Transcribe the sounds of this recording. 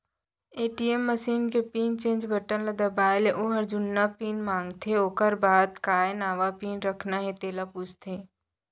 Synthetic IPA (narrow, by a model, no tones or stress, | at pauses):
eːʈiemːəsiːnkepiːnt͡ʃẽːnd͡ʒbəʈənlad̪ɐbaːjleʔoɦɐɾd͡ʒʊnːapiːnmãːŋɡt̪ʰeoːkəɾbaːd̪kaːjnaːʋapiːnɾəkʰnaɦɛ̃t̪eːlapuːt͡ʃt̪ʰeː